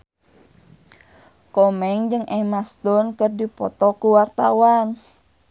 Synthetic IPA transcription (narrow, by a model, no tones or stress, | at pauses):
kɔmɛŋd͡ʒɨŋʔɛmast̪ɔnkərdipɔt̪ɔkuwart̪awan